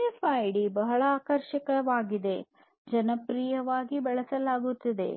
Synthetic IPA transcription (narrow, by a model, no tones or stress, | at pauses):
epʰɐːjɖibɐɦɐɭɐaːkɐɾʃɐkɐʋaːɡid̪e̞ | d͡ʒɐnɐpɾijɐʋaːɡibɛɭɐsɐlaːɡut̪ːɐd̪e̞̰